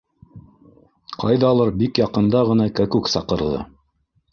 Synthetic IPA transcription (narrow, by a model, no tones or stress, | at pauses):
qɑ̰jðɑːlˠɑɾbikjɑqɤ̆nd̪ɑʁɤ̆nɑkækʉksɑqɤ̆ɾðɤ̰